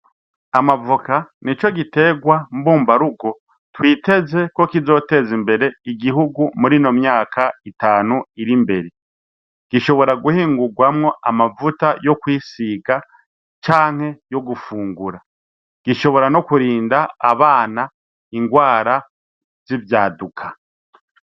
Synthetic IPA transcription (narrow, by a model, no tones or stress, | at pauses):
amavukanit͡ʃo̞ɡite̞ɡwambuːmbaɾuɡo̞ | twiːte̞ze̞ko̞kizo̞ːte̞zimbe̞ɾe̞iɡiɦuɡumuɾino̞mjaːkʰaitaːnuiɾimbe̞ɾe | ɡ̥iʃo̞βo̞ɾaɡuhiːŋɡuɡwamŋo̞ʔamavutajo̞kwiːsiɡa | t͡ʃaːŋ̥he̞jo̞ɡufuːŋɡuɾa | ɡ̥iʃo̞βo̞ɾano̞kuɾiːnda̰ːβaːna | iŋɡwaːɾa | z̥ivjaːdukʰḁ